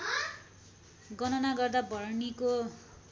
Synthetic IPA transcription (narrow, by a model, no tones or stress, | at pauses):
ɡʌnʌnaɡʌrd̪abʌrniko